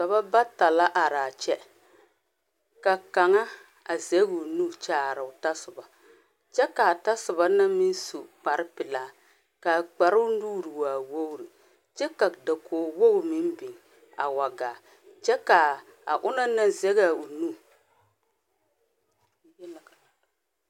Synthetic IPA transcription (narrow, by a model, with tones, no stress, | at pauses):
ka˨ba˦ba˦ta˨la˦ʔa˨ɾaː˨t͡ʃɛ˦ | ka˨ka˨ŋa˦ | a˨zɛ˦ɡu˨nu˦˨t͡ʃaː˨ɾɨ˨ʊ˨ta˦sʊ˨ba˨ | t͡ʃɛ˦ka˨ta˦sʊ˨ba˦na˦mi˦n˦su˨k͡pa˨ɾɨ˦pɪ˨laː˦ | ka˨k͡pa˨ɾɪ˦ʊ˦nuː˦ɾi˨wa˨wo˦wɾi˨ | t͡ʃɛ˦ka˨da˨kʰoː˨wo˦wmɪ˦mbi˨ŋ | a̰˨wa˨ɡa˨ | t͡ʃɛ˦ka˨ | a̰˨ʔʊ˦na˦na˦zɛ˦ɣa˨u˨nu˦˨